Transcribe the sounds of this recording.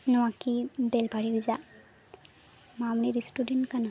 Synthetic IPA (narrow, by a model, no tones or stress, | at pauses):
nɔwakibelbʱaɾiɾiza | mamniɾistudenʈkana